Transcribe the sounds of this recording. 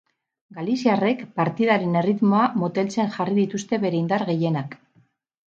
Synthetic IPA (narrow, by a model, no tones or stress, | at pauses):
ɡalisiare̞kpaɾt̪ið̞aɾe̞ne̞rit̪mo̞amot̪e̞lt͡se̞nʝariðit̪ust̪e̞βe̞ɾe̞ind̪aɾɣe̞je̞nak